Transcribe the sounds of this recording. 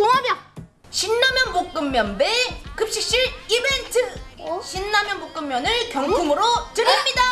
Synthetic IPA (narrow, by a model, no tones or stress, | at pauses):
oŋamjʌ | ɕinːamjʌnmok̚k͈ɯmːjʌnbe̞kɯp̚ɕ͈ik̚ɕ͈iɾibe̞ntʰɯɕʰinːamjʌnbok͈ɯmːjʌnɯɭkjʌŋɡumɯɾotɯɾimɲida